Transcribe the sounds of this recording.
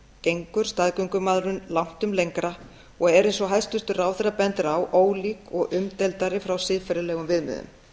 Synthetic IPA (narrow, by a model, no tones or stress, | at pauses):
cejŋkʏɾ̥st̪aðkʏŋkʏmaːðɾʏnlawŋ̥t̪ʏmlejŋkɾa | ɔɣɛɾensvɔɦaj̪st̪ʏst̪ʏraːwθɛrːapɛnt̪ɪɾawʔoːwliːkɔɣʔʏmt̪ɛlt̪aɾɪfɾawsɪðfaɾɪlɛːɣʏmvɪðmʏ̰ðʏ̰m